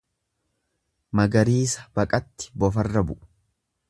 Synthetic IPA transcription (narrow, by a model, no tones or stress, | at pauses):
mɐɡɐɾiːsɐ̥bɐkʼɐt̪ːɪ̥bɔfɐrːɐbʊʔ